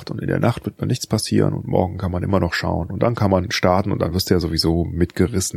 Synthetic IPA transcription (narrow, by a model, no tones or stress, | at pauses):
tʊntɪ̰ndḛːɐnʔaχtv̥ɪɐt̚manɪçt͡spʰasḭːʁə̰nʊ̰ntmɔ̰ɐɡŋ̩kʰanmanʔɪ̰mɐnɔχʃa̰ʊənʊntd̥ankʰanmanʃtaɐtn̩ʊntd̥anvɪɐstd̥uːjaːzovizoːmɪtɡ̥əʁɪsn̩